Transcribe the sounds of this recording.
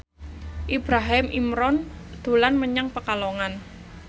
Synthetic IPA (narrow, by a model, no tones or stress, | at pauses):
ʔibɾaɦɪmʔimɾɔnd̪̥o̤lanməɲaŋpəkaloŋan